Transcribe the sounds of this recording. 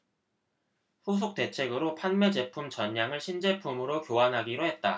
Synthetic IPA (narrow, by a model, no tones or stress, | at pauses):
ɸus̬ʰuk̚t͈e̞t͡ɕʰe̞ɡɯɾopʰanme̞d͡ʑe̞pʰumt͡ɕʌɲːaŋɯɭɕʰind͡ʑe̞pʰumɯɾokjoanɦaɡiɾoɦe̞t̚t͈a